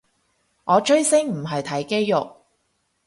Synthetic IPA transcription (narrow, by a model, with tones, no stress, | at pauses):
ŋʔɔː˨˧t͡ʃʰɵ˥ɥsɪ˥ŋm̩˨˩ɦɐ˨jt̪ʰɐ˨˥jke˥jːʊ˨k̚